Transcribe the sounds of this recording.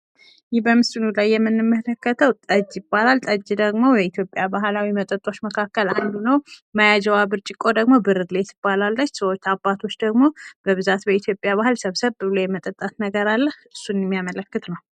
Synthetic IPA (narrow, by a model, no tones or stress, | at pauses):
jɪhbəmɨst̪ɨnulajːɛmːɨnːɨmːələkːət̪ʰəwt̪ʼəd͡ʒːjɪbːalalt̪ʼəd͡ʒːd̪əɡmo̞jɛit̪ʰjo̞pʼːjabaɦlawimət̪ʼət̪ʼo̞t͡ʃːməkʰakːəland̪unəwmajad͡ʒɛwabɨɾt͡ʃʼɪkʼo̞d̪əɡmo̞bɨɾɨɡle̞t̪ʰɨbːalalːət͡ʃːsəwot͡ʃːabːat̪ʰo̞t͡ʃːd̪əɡmo̞b̥əβɨzat̪bəit̪ʰjo̞pʼjaβahɨlsəβsəβbɨβlojɛmət̪ʼət̪ʼːat̪nəɡəɾalːəhʔɨsːunjɛmːijamələkːɨt̪nəw